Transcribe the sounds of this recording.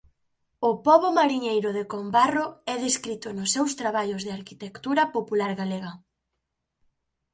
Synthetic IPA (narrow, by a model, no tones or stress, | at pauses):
ʊpɔβomaɾiɲejɾʊðekombaroɛðeskɾit̪ʊnʊsːɛwst̪ɾaβaʎʊzðɪaɾkit̪ekt̪uɾɐpopulaɾɣaleɣɐ